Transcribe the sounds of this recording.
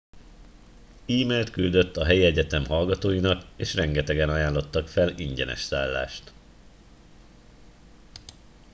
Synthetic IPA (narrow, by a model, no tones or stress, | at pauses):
iːmɛlt̪kyld̪ø̞t̪ːɒɦɛjiɛɟɛt̪ɛmɦɒlɡɒt̪oːjinɒkeːʃrɛŋɡɛt̪ɛɡɛnɒjaːnlo̞t̪ːɒkfɛliɲɟɛ̰nɛ̰ʃsaːlːa̰ːʃt̪